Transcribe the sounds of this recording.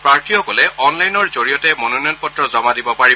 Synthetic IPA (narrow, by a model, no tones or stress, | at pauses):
pɹaɹtʰixɔkɔlɛɔnlajnɔɹzoɹijɔtɛmɔnonɔjɔnpɔtɹɔzɔmadibɔpaɹi